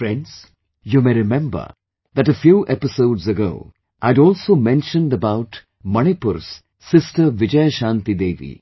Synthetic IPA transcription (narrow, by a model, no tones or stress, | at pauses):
fɾɛ̃nɖz̥ | jumeɪɾɪmɛ̃mbə̰ | d̪æʈəfjuːʔɛpɪsoʊɖzəɡo̰ʊ | ʔaɪdɔːlsoːmɛ̃nʃə̃nɖəbaʊʈ | mʌnipʊɾsː | ɪsʈəɾʋɪd͡ʒəjʃãːnt̪id̪eːʋḭ